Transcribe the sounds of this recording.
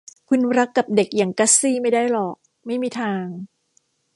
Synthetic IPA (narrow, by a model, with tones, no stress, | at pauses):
kʰu˧nɾa˦˥kːa˨˩p̚de˨˩k̚jaː˨˩ŋka˦˥siː˥˩ma˥˩jdaː˥˩jlɔː˨˩k̚ | ma˥˩jmiː˧t̪ʰaː˧ŋ